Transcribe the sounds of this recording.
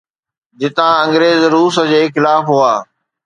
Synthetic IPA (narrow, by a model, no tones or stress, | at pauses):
d͡ʑɪt̪ãɐ̃ŋɡɾeːzɾuːs̬ə̆d͡ʑeːxɪlaːfɦuaː